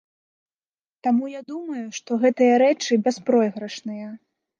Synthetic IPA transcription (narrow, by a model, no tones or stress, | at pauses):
t̪amujad̪umɐjuʂt̪ɔɣɛt̪ɨjɐɾɛt͡ʂɨbʲɛspɾɔjɣɾɐʂnɨjɐ